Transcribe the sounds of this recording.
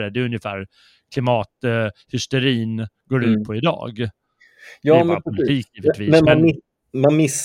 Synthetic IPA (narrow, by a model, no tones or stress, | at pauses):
ɾɛd̪ɛɵnjəfæ̰ːɾ | kʰlɪmɑːt̪hʏst̪ɛɾiːnɡoːɖʉ̟ːt̪̚pʰɔɪd̪ɑ̰ːɡ | jɑːmɛnpɾʊlɪiːkjiːvɪt̪viːmɛnmanmɪ | manmɪs